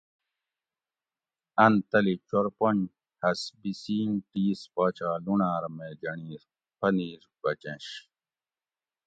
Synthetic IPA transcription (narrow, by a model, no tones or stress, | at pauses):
ɐnt̪ɐlit͡ɕoɾpon | hɐsbisiːnʈiːspaːt͡ɕaːlunaːɾmed͡ʑɐɳiːɾ | pʰɐniːɾbɐt͡ɕẽɕ